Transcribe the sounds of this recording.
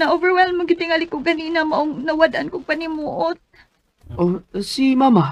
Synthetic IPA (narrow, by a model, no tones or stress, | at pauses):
nɐʔovɛɹwɛlmaɡɪt̪ɪŋalɪkʊɡɐniːnamaʔʊŋnɐwad̪ankʊɡ̚panɪmuːʔʊt̪̚ | ʔosimama